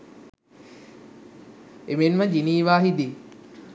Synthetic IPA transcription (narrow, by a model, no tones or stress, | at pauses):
emenməd͡ʒiniːʋaːɦid̪i